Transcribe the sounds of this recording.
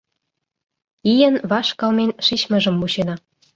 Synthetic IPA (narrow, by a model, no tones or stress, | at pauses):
ijənβɑʃkɑlmenʃit͡ɕmə̆ʒə̆mːuɕenɑ